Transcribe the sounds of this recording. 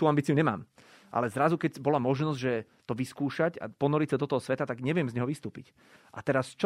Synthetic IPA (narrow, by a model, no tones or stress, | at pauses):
t̪uːambiːt͡siuɲɛma̰ːm | ʔa̰lɛzɾazukɛɟbɔlamɔʒnɔzɟʒɛ | t̪ɔʋiskuːʃaɟa̰pɔnɔɾisad̪ɔt̪ɔɦɔsʋɛt̪at̪aɡɲɛʋɪɛmzɲɛɦɔʋist̪uːpḭc | ʔa̰t̪ɛɾast͡ʃ